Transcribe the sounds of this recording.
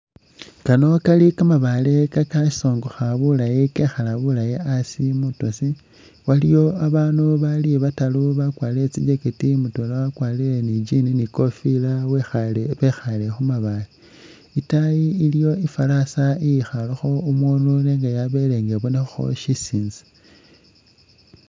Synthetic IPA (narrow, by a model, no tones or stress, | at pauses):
kano̞kalikamaβalekakaʃi̥so̞ːŋɡoxaβulajikexalaβulajiasimutosi | walijo̞aβaːnuβalieβataluβakwaːlet͡sḭd͡ʒekitimutolewakwaːlile̞nid͡ʒininiko̞filawexaleβexale̞xumaβali | itajiːlijo̞ifalasaijixalaxo̞umwunuleːŋɡajaβeleːŋɡeβonexuxo̰ʃisiːnzḁ